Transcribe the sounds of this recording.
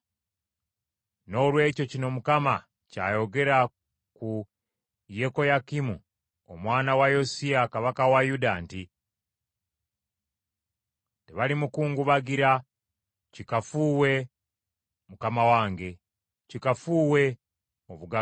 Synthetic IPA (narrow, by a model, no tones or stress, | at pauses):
no̞ːlwe̞ːco̞cino̞mukama | ca̰ːjo̞ɡe̞ɾa | ku | je̞ko̞jakimu | omwaːnawajo̞siakaβakawajudaːnti | teβalimukuːŋɡuβaɡiɾa | cikafuːwe̞ | mukamawaːŋɡe̞ | cikafuːwe̞ | oβuɡa